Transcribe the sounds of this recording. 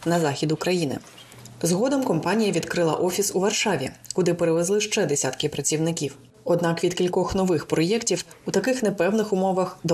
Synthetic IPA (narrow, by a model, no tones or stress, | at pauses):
nɐzɑxʲid̪ʊkɾɐjinɪ̰ | zɦɔd̪ɔmkɔmpɑnʲijɐʋʲid̪kɾɪlˠɐ̰ʔɔfʲisuʋɐrʃɑʋʲḭkʊd̪ɪpeɾeʋezlˠɪʃt͡ʃɛd̪esʲat̪kɪpɾɐt͡sʲiwnɪkʲiw | ɔd̪nɑkʋʲid̪kʲilʲkɔxnɔʋɪxpɾɔjɛktʲiwut̪ɐkɪxnɛpɛwnɪxʊmɔʋɐxd̪